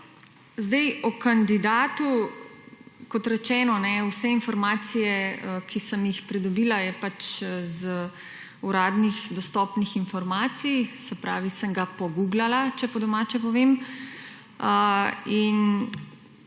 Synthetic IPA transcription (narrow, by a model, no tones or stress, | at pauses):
zd̪ɛjɔkand̪id̪aːt̪u | kɔt̪ɾɛt͡ʃɛːnɔnɛuwsɛinfɔɾmaːsijɛəkʰisəmjixpɾid̪ɔbiːlajɛpat͡ʃz | uɾaːd̪nixd̪ɔst̪ɔpnixinfɔɾmaːt̪sijsɛpɾaːʋisəŋɡapɔɡuɡlalat͡ʃɛpɔd̪ɔmaːt͡ʃɛpɔʋem | əin